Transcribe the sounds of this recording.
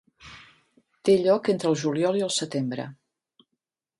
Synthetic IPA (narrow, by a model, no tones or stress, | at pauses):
t̪eʎɔkent̪ɾəlˠʒuliɔlˠiəlˠsət̪embɾə̰